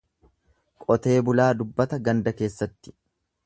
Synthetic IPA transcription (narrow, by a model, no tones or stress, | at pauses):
kʼɔt̪e̞ːbʊlaːd̪ʊbːɐt̪ɐɡɐnd̪ɐke̞ːsːɐt̪ːɪ̥